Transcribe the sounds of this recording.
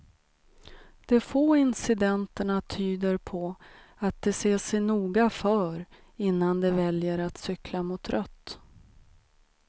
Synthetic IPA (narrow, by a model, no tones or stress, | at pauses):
d̪̥ɛfoːɪnsɪd̪ɛnt̪əɳat̪ʰyːd̪əɾpʰɔat̪̚d̪ɛseːʂɛjnuːɡafœːɾ | ɪnːand̪ɛvɛljəɾat̪sʏklamʊt̪ɾœt̪ː